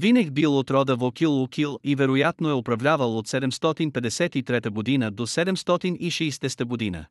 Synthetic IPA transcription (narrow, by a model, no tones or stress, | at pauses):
vinɛɡbilˠot̪ɾɔd̪əvokilˠokʲʰilˠivɛɾojat̪noɛopɾɐvlʲavəlˠot̪sɛd̪ɛmst̪ɔt̪inpɛd̪ɛsɛt̪it̪ɾɛt̪əɡod̪inəd̪osɛd̪ɛmst̪ɔt̪iniʃɛjst̪ɛst̪əɡod̪inə̰